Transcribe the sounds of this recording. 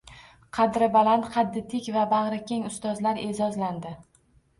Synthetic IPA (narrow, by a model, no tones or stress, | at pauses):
qʰɑd̪ɾɪbalant̪qʰɑd̪ːɪt̪ʰɪkʲvabaʁɾakʲeŋʊst̪ɒzlaɾe̞zɒzland̪ɪ